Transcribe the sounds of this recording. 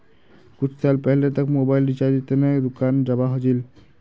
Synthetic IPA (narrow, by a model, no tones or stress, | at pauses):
kutt̪ʰalpɛɦlet̪ɛkmobajlɖit͡ɕaɾd̪it̪enɛed̪ukanɖabaɦod͡ʑil